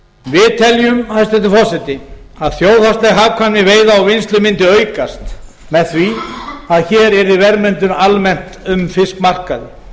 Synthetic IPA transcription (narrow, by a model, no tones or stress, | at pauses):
vɪðt̪ʰɛljʏmhaðst̪ɛt̪̬ːɪfɔsɛt̪ɪaðθjoːwðhast̪lɛɣɦaːvkʰvanːɪveːjðaawvɪnst̪lʏmɪnt̪ɪœːɥkast̪ | mɛðθviaðçɛːɾɛɾɪvɛɾmɛnt̪ʏnalmɛn̥t̪ʏmfɪsk̪mar̥kaðɪ